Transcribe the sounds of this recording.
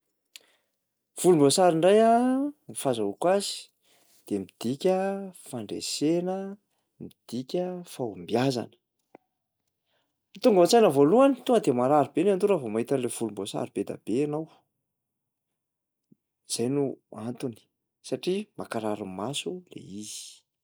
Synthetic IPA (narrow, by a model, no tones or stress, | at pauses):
v̥ulumbosaɾiɳɖ͡ʐajanifazaukwazi̥ | d̪̥emid̪̥ikʲəfaɳɖ͡ʐḛsenə | mid̪̥ikʲəfambijaza̰nə̥ | mit̪uŋɡəat͡sajnəvoluani̥t̪uŋɡəd̪emaɾaɾibeneant̪uɾəvomaɦit̪anlev̥ulumbosa̰ɾib̥ed̪a̰b̥eanaw | z̥ajnuant̪uni̥ | saʈ͡ʂimakaɾaɾummasulḛizi̥